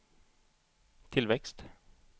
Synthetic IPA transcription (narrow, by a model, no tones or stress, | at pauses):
t̪ʰɪlvɛkst̪